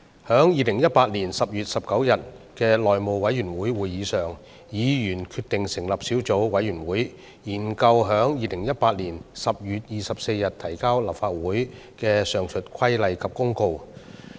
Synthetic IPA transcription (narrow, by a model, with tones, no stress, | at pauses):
hœː˨˥ŋjiː˨˧lɪ˨˩ŋjɐ˥t̚paː˧t̚liː˨˩nsɐ˨p̚jyː˨t̚sɐ˨p̚kɐ˨˥wjɐ˨t̚kɛː˧lɔː˨jmo˨wwɐ˨˧˥jɥyː˨˩nwuː˨˥jwuː˨jːiː˨˥sœː˨ŋ | jiː˨˧jyː˨˩nkʰyː˧t̪ɪ˨ŋsɪ˨˩ŋlɐ˨˩p̚siː˨˥wt͡so˨˥wwɐ˨˧˥jɥyː˨˩nwuː˨˥j | jiː˨˩nkɐ˧wɦœː˨˥ŋjiː˨˧lɪ˨˩ŋjɐ˥t̚paː˧t̚li˨˩nsɐ˨p̚jyː˨t̚jiː˨sɐ˨p̚se˧jɐ˨t̪ʰɐ˨˩jkaː˥wla˨p̚faː˧t̚wuː˨˥j | kɛː˧sœː˨˩ŋt͡ʃʰɵ˨t̚kʷʰɐ˥jlɐ˨jkʰɐ˨p̚kʊ˥ŋko˧w